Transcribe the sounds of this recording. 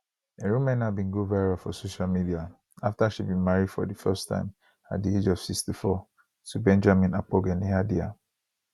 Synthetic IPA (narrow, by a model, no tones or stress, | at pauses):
eɹũmɛ̃nabĩnɡovaɹafɔ̰soʃalmidia | aftaʃibĩnmaɹidfɔ̰difɛstʰã̰ɪ̃m | a̰t̚died͡ʒɔv̥sikstifɔ | tubɛ̃nd͡ʒamĩnak͡poɡɛ̃niadia̰